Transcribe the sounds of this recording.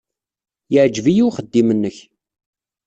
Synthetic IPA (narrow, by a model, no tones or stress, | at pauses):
jəʕd͡ʒvijuwχəd̪ːimənːəç